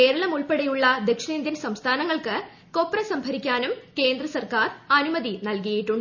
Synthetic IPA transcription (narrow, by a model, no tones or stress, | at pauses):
ke̞ːɾɐɭɐmuɭpeɽejuɭːɐd̪ekʂeːnd̪jɐnsɐmst̪ʰaːnɐŋːɐɭkɨ | kopːrɐsɐmbʱɐɾikʲːaːnumke̞ːnd̪rɐsɐrkaːrɐnumɐðinɐlkijjiʈːuɳɖɨ